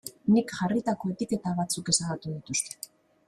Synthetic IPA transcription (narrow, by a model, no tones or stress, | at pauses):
nikʝarit̪ako̞e̞t̪ike̞t̪aβat͡suke̞saɣut̪uðit̪ust̪e̥